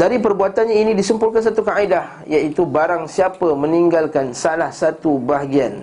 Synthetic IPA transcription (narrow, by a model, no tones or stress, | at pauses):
daɾipərbuat̪anɲainĩdisəmpulkans̬at̪ukaidah | jait̪ubaɾaŋsiapəmə̃niŋɡalkansalahsat̪ubaɦaɡian